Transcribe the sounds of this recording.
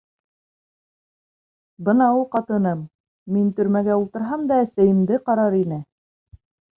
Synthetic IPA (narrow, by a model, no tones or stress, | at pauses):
bɤnɑulˠqɑt̪ɤ̆nɤmː | int̪ɵ̆ɾmæɡæulˠt̪ɤ̆ɾɦɑmd̪ɑæsæjɘ̆md̪ɘqɑɾɑɾinɘ